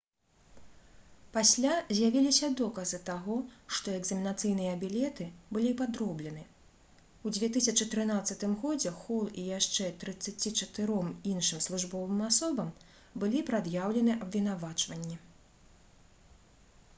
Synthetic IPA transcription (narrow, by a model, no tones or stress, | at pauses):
pasʲlʲazʲjavʲilʲisʲɐd̪ɔkɐzɨt̪aɣɔʂt̪ɔɛɡzɐmʲinat̪sɨjnɨjɐːbʲilʲɛt̪ɨbɨlʲipad̪ɾɔblʲɛnɨ | wd͡zʲvʲɛt̪ɨsʲɐt͡ʂɨt̪ɾɨnat̪sːɐt̪ɨmɣɔd͡zʲɛxɔlˠijaʂt͡ʂɛt̪ɾɨt̪sːat͡sʲit͡ʂɐt̪ɨɾɔminʂɨmslˠuʐbɔvɨmasɔbɐm | bɨlʲipɾad̪jawlʲɛnɨʔɐbvʲin̪avat͡ʂvɐnʲːi